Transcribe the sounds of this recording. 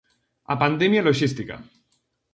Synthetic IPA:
a̰pand̪ɛmjaloʒist̪ika̰

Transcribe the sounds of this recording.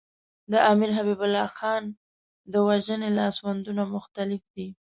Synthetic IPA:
d̪əʔɑmɪɾɦabibʊlːɑxɑn | d̪əwaʒənelɑswand̪unamʊxt̪alɪfd̪i

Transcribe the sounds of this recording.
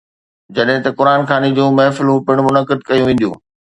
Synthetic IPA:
d͡ʑɐɗɦɪ̃t̪ɐkʊɾaːnxaːnid͡ʑõːmɛːfɪlɦupɪɽ̃mʊnəkɪd̪kɐjũʋẽːn̆d̪jṵ̃ː

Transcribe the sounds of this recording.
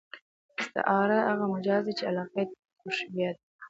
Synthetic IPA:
ɪst̪a̰ʔɑɾahaɣamad͡ʒɑzd̪it͡ʃealɑqa | ʊʃbijat̪̚

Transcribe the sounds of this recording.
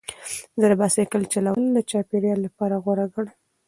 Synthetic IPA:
zəɾbasekəlt͡ʃalawəld̪ət͡ʃɑpeɾjɑlːapɑɾaɣwaɾaɡəɽ

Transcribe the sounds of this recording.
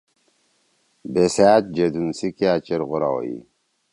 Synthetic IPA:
besat̪̚d͡ʒed̪unsikiat͡ʃɛɾɣʊɾa̰w̰jḭ

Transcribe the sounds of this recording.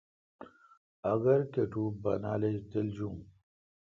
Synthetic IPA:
ɐɡɐɾkeʈubɐ̰na̰ːled͡ʑd̪eld͡ʑũ

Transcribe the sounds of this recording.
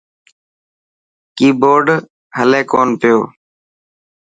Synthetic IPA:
kiːboːɖ | ɦəlẽːkoːnpɪjoː

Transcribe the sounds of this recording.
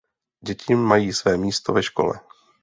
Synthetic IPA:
ɟɛcʰɪmːajiːsvɛːmiːst̪o̞vɛʃko̞̰lɛ̰

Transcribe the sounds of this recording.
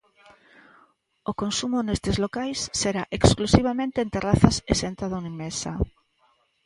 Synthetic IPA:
okonsumʊnest̪ezlokajsːeɾaʔeksklusiβ̞amẽnt̪eːnt̪eraθasesent̪aðonimesa̰

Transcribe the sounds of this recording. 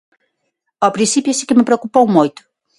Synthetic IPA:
ɔpɾĩnsipjʊɛsi̥kɪmɪpɾeokupowmojt̪ʊ̥

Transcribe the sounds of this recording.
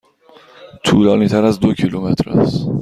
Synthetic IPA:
t̪ʰuːlɒːniːt̪ʰæɾæzd̪ocʰilumet̪ʰɾæ̰s

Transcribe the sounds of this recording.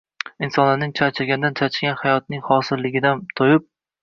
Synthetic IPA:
ɪnsɒnlanɪŋt͡ʃʰat͡ʃʰɪɾɡʲand̪ant͡ʃʰat͡ʃʰɪɡʲanhajɒt̪̚nɪŋhɒsɪɾlɪɡʲɪd̪ant̪ʰojɪp̚

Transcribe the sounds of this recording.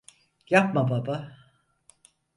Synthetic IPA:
jap̚mababa

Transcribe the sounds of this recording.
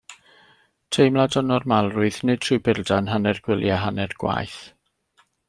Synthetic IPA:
tʰejmlˠadɔnɔrmalˠrʊɨθnɨd̥̚tʰrubɪldanɦanɛrɡ̥wɪlˠjaɦanɛrɡ̥wa̰jθ

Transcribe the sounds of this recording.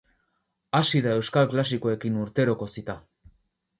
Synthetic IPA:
asiðae̞wskalklas̬iko̞e̞kinuɾt̪e̞ɾo̞ko̞sit̪a

